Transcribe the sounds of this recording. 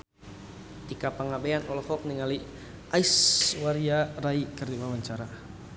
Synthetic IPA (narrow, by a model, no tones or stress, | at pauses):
t̪ikapaŋabɛanɔlɔfɔk̚niŋali | aiswaɾiaɾaikərdiwawaɲt͡ʃaɾa